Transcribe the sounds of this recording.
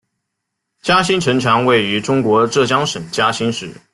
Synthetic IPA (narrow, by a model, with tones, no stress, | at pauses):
t͡ɕja˥ɕi˥nʈ͡ʂʰɤ˧˥ŋʈ͡ʂʰɑ˧˥ŋwe˥˩ɪy˧˥ʈ͡ʂʊ˥ŋkwɔ˧˥ʈ͡ʂɤ˥˩t͡ɕjɑ˥ŋʂə˨˩ŋt͡ɕja˥ɕi˥nʂɻ̩˥˩˦